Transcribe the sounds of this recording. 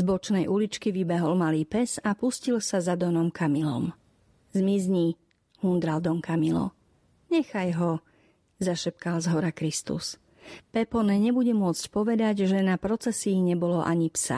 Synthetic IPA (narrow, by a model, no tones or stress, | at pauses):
zbɔt͡ʃnɛjʔulit͡ʃkiʋibɛɦɔlmaliːpɛsapuscilsazad̪ɔnɔmkamilɔ̰m | zmizɲi | hund̪ɾald̪ɔŋkamilɔ̰ | ɲɛxajɦɔ | zaʃɛp̚kalzɦɔɾakɾist̪ṵs | pɛpɔnɛɲɛbuɟɛmʊɔt͡scpɔʋɛd̪aɟʒɛnapɾɔt͡sɛsiːɲɛbɔlɔʔaɲipsa̰